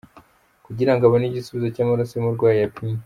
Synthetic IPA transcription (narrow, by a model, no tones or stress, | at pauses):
kuɟiɾaŋɡaβoniɟisuβizo̞caːmaɾosemuɾɡwaːjijapinm